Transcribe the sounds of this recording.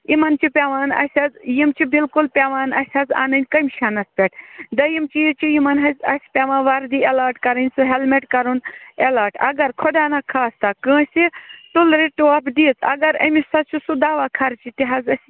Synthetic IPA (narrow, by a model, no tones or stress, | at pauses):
imɐnt͡ʃʰipʲeʋaːnɐ̰sʲɐzjimt͡ʃʰibilkulpʲeʋaːnɐ̰sʲhɐza̰ːnɐnʲkɐmʲʃɐnɐspʲeʈ̚ʰd̪ɐjimt͡ʃijit͡ʃijimɐnɦɐzʲɐ̰sʲpʲeʋãːnʋɐɾd̪ielaːɾʈkɐɾɐnʲsuɦelmeʈkɐɾunelaːʈɐ̰ɡɐɾkʰoɖaːnakʰaːst̪akə̃ːsʲit̪ulɾiʈuɐpd̪iːt͡sɐ̰ɡɐɾɐ̰misɐt͡ʃʰisud̪aːʋaːkʰɐɾt͡ʃʰit̪iɦɐzɐsʲ